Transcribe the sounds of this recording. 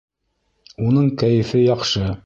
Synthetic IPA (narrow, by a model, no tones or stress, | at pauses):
unɤɴkæjɘ̆fɘjɑqʃɤ